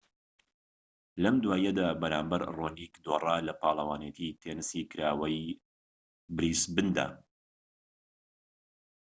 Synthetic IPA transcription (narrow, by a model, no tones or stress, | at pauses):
lɐmd̪waːjɐd̪aːbɐɾaːmbɐɾroːniːkd̪oːrˤaːlɐpɑːlˠɐwaːnet̪ʰit̪ʰenɨsikɨɾaːwɐj | bɾiːsbɨnd̪a̰ː